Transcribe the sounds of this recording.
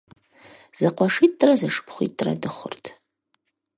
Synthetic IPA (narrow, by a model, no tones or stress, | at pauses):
z̥aqʷaʂit̚ʼtʼːrazaʂɨ̥pʰχʷḭt̚tʼːra̰dɨχʷʊ̰rtʰ